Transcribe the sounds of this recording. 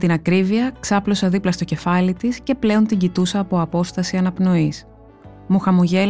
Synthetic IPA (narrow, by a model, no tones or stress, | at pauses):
t̪inɐkɾiviɐksɐplo̞sɐðiplɐst̪o̞ce̞fɐlit̪isce̞ple̞o̞nt̪iɲɟit̪usɐːpo̞ɐpo̞st̪ɐsiɐnɐpno̞is | muxɐmuʝe